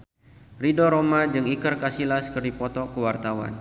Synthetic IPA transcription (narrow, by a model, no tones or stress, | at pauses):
ridɔɾomad͡ʒɨŋikərkasilaskərdipɔt̪ɔkəwart̪awa̰n